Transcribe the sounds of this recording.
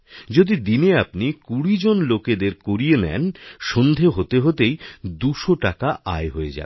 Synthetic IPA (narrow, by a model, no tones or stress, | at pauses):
d͡ʑod̪id̪ineapnikuɽid͡ʑonloked̪eɾkoɾienɛ̰nʃond̪ʱeɦot̪eɦot̪ejd̪uʃoʈakaʔa̰eɦoed͡ʑa̰